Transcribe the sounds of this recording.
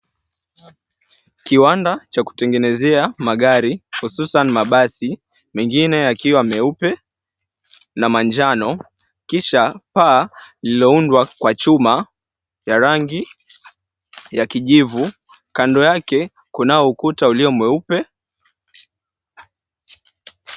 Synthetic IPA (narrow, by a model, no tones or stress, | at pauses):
kiwandat͡ʃaku̥tɛŋɡɛnɛzɛamaɠaɾihususanimaɓasi | mɛŋɡinɛakiwamɛupɛ | namand͡ʒanɔ | kiʃapaːlilɔundwakwat͡ʃuma | jaɾaŋɡi | jakiʄivu | kandɔjakɛ | kunaɔukutauliɔmwɛupɛ